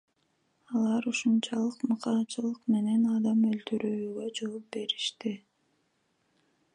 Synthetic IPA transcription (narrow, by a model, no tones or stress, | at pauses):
ɑlˠɑɾuʃunt͡ʃɑlˠɯqmɯqɑːt͡ʃɯlˠɯqme̞ne̞nɑd̪ɑmølt̪yɾʔyːɡø̞d͡ʒo̞ːp̚be̞ɾiʃt̪i